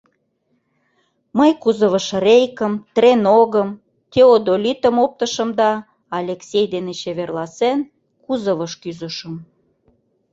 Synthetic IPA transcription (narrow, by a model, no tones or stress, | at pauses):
məjkuzəβəʃrʲejkəmt̪renoɣəm | t̪eod̪olʲit̪əmop̚t̪əʃə̆md̪ɑ | ɑlʲeksʲejd̪enet͡ɕeβerlɑsen | kuzəβəʃkyzəʃə̆m